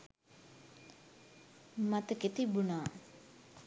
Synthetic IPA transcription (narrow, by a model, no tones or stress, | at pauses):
mat̪əkit̪ibuna